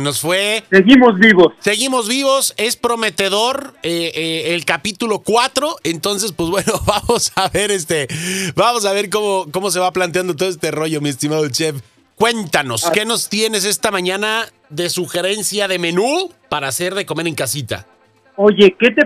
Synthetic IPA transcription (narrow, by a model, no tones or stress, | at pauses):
no̞sfwe̞seɣimo̞zβiβosse̞ɣimo̞zβiβ̞o̞se̞spɾo̞me̞t̪e̞ðo̞ɾeːlkapit̪ulo̞kwat̪ɾo̞ent̪o̞ns̬e̞spwezβwe̞no̞βamo̞saβe̞ɾes̬t̪ebamo̞s̬aβe̞ɾk̬o̞mo̞ko̞mo̞s̬e̞βaplant̪̬jand̪ot̪ooest̪ero̞ʝo̞mie̞st̪imaðot͡ʃe̞f | kwe̞nt̪ano̞ske̞no̞st̪je̞ne̞s̬e̞st̪amãɲãna | ðe̞suxe̞ɾe̞nsjaðe̞me̞nupaɾaːse̞ɾðe̞ko̞me̞ɾeŋkasit̪a̰ | oʝeke̞t̪e